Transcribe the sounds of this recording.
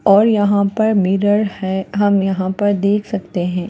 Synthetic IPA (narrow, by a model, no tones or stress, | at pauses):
ɔːɾjɐɦãpɐɾmiːɾəɾhɛɦɐmjɐɦãpɐɾd̪eːkʰsɐkt̪eɦɛ̃ː